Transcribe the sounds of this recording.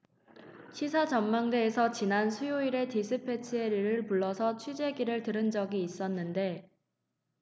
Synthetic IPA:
ɕʰisʰat͡ɕʌmmaŋde̞ːsʰʌt͡ɕinansʰujoiɾe̞tisʰɯpʰe̞t͡ɕʰieɾiɾɯɭpuɭːʌsʰʌt͡ɕʰwid͡ʑe̞ɡiɾɯɭtɯɾɯnd͡ʑʌɡiːs͈ʌnːɯnde̞

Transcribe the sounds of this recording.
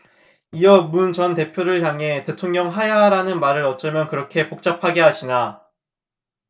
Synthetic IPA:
iʌmunt͡ɕʌnte̞pʰjoɾɯɭçjaŋɦe̞te̞tʰoŋɲʌŋɦajaɾanɯnmaɾɯɾʌt͡ɕ͈ɯmjʌnkɯɾʌkʰe̞pok̚t͡ɕ͈apʰaɡe̞ɦaɕʰina

